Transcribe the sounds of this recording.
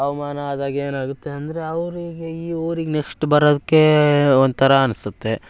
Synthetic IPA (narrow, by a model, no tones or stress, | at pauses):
ɐʋɐmaːnɐːd̪aːɡeːnaːɡut̪ːe̞ɐnd̪ɐɾe̞ɐʋɾiɡeiːoːɾiɡenekʂʈbɐɾoːd̪ikːe̞ond̪ut̪ʰɐɾɐːnusut̪ːe̞